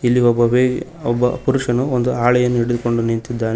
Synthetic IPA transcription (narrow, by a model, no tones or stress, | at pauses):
ilːiɔbːɐʋe | ɔbːɐ̰puɾuʂɐnuond̪uaːɭɛjɐnːuiɽed̪uko̞ɳɖunint̪id̪ːaːne